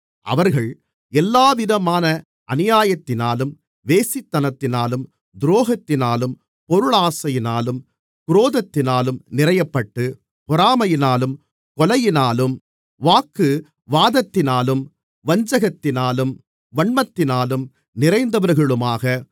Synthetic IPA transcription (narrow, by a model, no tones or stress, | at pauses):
ʔɐ̰ʋɐɾɣɐɭ | ɛlːaːʋɪðɐmaːnɐ | ʔɐnɪjaːjɐt̪ːɪnaːlɯm | ʋeːsɪt̪ːɐnɐt̪ːɪnaːlɯm | d̪ɾoːɣɐt̪ːɪnaːlɯm | pɔɾɯɭaːsɐjɪnaːlɯm | kʊɾoːðɐt̪ːɪnaːlɯmnɪrɐjɐpːɐʈːɯ | pɔɾaːmɐjɪnaːlɯm | kɔlɐjɪnaːlɯm | ʋaːkːɯ | ʋaːðɐt̪ːɪnaːlɯm | ʋɐɲd͡ʒɐɣɐt̪ːɪnaːlɯm | ʋɐɳmɐt̪ːɪnaːlɯm | nɪɾɐɪnd̪ɐʋɐɾɣɐɭɯmaːɣɐ